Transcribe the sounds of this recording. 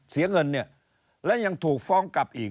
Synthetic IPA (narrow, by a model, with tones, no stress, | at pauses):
si˨˩˦ɐŋɤ˧nːi˥˩ɐ | lɛ˦˥wɲa˧ŋt̪ʰuː˨˩k̚fɔː˧ŋka˨˩p̚ʔiː˨˩k